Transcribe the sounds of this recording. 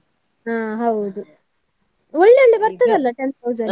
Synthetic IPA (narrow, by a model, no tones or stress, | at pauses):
aːɦɐwd̪u | ɔɭːeoɭːebɐɾt̪ɐd̪ɐlːɐʈent̪ʰɐwzɐn